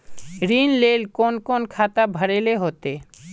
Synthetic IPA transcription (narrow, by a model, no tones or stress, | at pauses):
ɾinlelkonkonkʰat̪abʱəɽeleɦot̪e